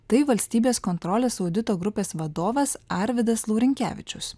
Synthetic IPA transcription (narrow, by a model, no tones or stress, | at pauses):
t̪ɐɪʋɐlʲsʲt̪ʲiːbʲeːskoːnt̪ɾɔlʲeːsɐʊd̪ʲɪt̪oːɡɾʊpʲeːsʋɐd̪oːʋɐsɑɾʲʋʲɪd̪ɐslˠuːɾʲɪŋʲkʲæ̰ːʋʲɪt͡ʃʲʊs